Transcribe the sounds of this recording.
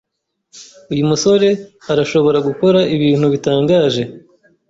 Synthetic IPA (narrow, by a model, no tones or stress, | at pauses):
ujumuso̞ɾe̞aɾaʃo̞βo̞ɾaɡuko̞ɾaiβiːn̥huβitaːŋɡaːʒe̞